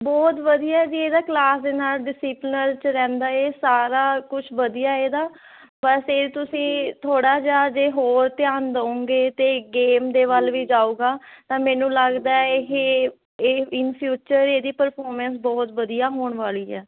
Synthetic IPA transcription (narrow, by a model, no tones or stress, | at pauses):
bɔːt̪ʋəd̪ijaːd͡ʒieːd̪aːklaːsd̪eːnaːlɖɪsiːplnəɾt͡ʃɾɛ̃ːnd̪aːeːsaːɾaːkʊt͡ʃʰʋəd̪ijaːeːd̪aː | bəset̪ʊsĩːt̪ʰoːɽaːd͡ʒaːd͡ʒeːɦoːɾt̪ɪjaːnd̪əõːŋɡeːt̪eːɡeːmd̪eːʋəlʋiːd͡ʒaːuːɡaːt̪ãːmɛːnũːləɡd̪aːeːɦe | eːɪnpʰjuːt͡ʃəɾeːd̪iːpəɾpʰɔːɾmɛ̃ːnsbɔːt̪ʋəd̪ijaːɦoːɳʋaːliːɛː